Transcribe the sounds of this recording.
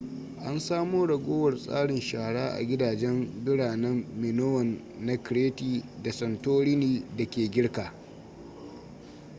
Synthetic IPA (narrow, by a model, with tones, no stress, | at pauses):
ʔa˦nsaː˦moː˦ɽɐ˨ɡʷoː˦wɐ˨rsʼa̰ː˦ɽɪ˨nʃaː˨ɽaː˦ʔa̰˨ɡʲɪ˦daː˨d͡ʒɛ˦mbɪ˦ɽaː˨nɛ˦mːɪ˨no˦wɐ˨nː | a˦kɾeː˦tiː˨da˨sɐ˨ntoː˦ɽɪ˦niː˨da˨kʲeː˨ɡʲɪ˦ɽkaː˨